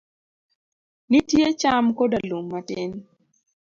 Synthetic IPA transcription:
nɪtjet͡ʃamkodalomːatɪn

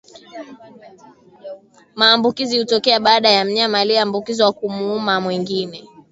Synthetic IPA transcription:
maːmbukizihutɔkɛaɓaːɗajam̩ɲamaliambukiziwakumuumamwiŋɡinɛ

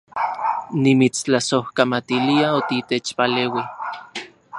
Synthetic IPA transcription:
nimit͡st͡ɬasohkamat̪iliaot̪it̪et͡ʃpaleːwi

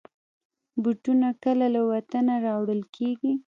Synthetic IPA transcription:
buʈunakəlalawat̪anaɾɑwɽəlkʰeɡi

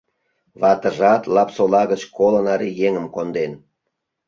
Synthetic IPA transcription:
βɑt̪əʒɑt̪lɑpsolɑɣət͡ɕkolənɑɾijeŋəmkond̪en

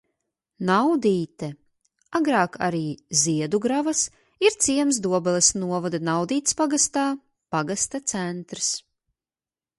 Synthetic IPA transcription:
nawd̪iːt̪ɛ | aɡɾaːka̰ɾiːziɛd̪uɡɾavas | iɾt̪siɛms̬d̪uɔbɛlˠɛsnuɔvɔd̪anawd̪iːt̪spaɡast̪aː | paɡast̪at̪sɛnt̪ɾs

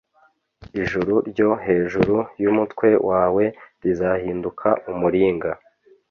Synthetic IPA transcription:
iʒuɾuɾɟo̞ɦe̞ːʒuɾujumutwe̞wʔaːwe̞ɾizahiːndukʰaumuɾiːŋɡa

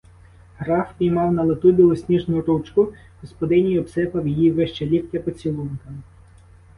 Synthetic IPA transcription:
ɦɾɑfpʲijmɑwnɐlˠɪt̪ubʲilˠɔsʲnʲiʒnʊɾut͡ʃkʊ | ɦɔspɔd̪ɪnʲijɔpsɛpɐwjijiʋɪʃt͡ʃɛlʲiktʲːɐpɔt͡sʲilˠunkɐm

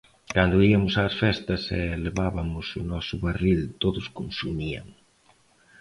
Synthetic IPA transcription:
kand̪ʊiɐmʊsaːsfɛst̪ɐsɛleβaβɐmʊsʊnɔsʊβarilt̪oðʊskonsumia̰ŋ

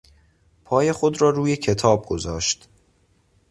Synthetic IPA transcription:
pʰɒːje̞xo̞d̪ɾɒːɾuːje̞cʰe̞t̪ʰɒːb̚ɡo̞zɒːʃt̪

